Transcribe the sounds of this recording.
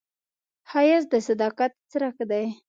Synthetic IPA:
hɑjasd̪əsad̪ɑqat̪t͡sɾakd̪aj

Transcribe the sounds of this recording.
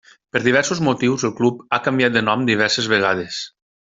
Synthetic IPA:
pəɾðiβ̞ɛɾsozmot̪iwzəlˠklupakəmbjat̪̚d̪ənɔmd̪iβ̞ɛɾsezβeɣ̞að̞es

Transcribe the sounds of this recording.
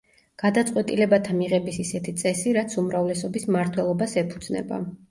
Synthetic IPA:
ɡ̥ad̪at̪sʼqʼwɛt̪ʼilɛbat̪ʰamiʁɛbisisɛt̪ʰit̪sʼɛsiɾat̪sʰumɾavlɛsɔbismaɾt̪ʰwɛlˠɔbasɛpʰud̪z̥nɛ̰ba̰

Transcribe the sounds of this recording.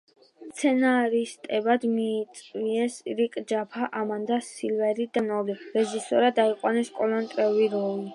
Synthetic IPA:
st̪sʰɛnaɾist̪ʼɛbad̪miːt̪sʼviɛsɾikʼd͡ʒapʰaʔamand̪asilvɛɾid̪anɔliɾɛʒisɔɾad̪aiqʼwanɛskʼɔlɔnt̪ʼɾɛuɾiɾɔli

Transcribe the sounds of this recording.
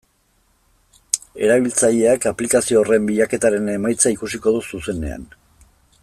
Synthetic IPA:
e̞ɾaβ̞ilt͡saʎe̞akaplikasio̞ːre̞mbiʎake̞t̪aɾe̞ne̞majt͡saikusiko̞ðususe̞ne̞̰a̰n

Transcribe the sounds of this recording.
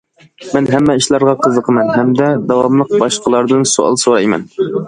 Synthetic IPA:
mɛnɦɛmːɛiʃlˠɑɾʁɑqʰəzəqʰəmɛnɦɛmd̪ɛd̪ɑwɑmlˠəq̚bɑʃqʰəlˠɑɾd̪ɨnsuɑ̰lˠsoɾɑjmɛ̰n

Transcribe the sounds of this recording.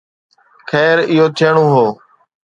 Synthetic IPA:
xʰɛːɾɪɦoːt̪ʰeːɳõːɦoː

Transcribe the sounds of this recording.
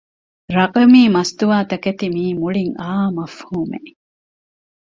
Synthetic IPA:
ɾɐqɐmiːmɐst̪uʋaːt̪ɐkɐt̪imiːmuɭiŋaːmɐfhuːme

